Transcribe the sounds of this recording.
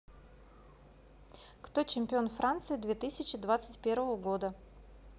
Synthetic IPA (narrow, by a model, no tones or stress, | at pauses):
kt̪ot͡ɕɪmʲpʲɪo̞nfɾʔant̪sɨɪd̪vʲet̪ɨsʲɪt͡ɕɪd̪vat̪sɨtʲpʲe̞ɾvəvəɡod̪ə